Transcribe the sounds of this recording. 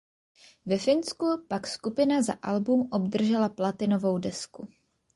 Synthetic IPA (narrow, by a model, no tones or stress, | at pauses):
vɛfɪnskupakskupɪnaza̰ʔalbumʔo̞bd̪r̩ʒɛlaplat̪ɪno̞vo̞wdɛsku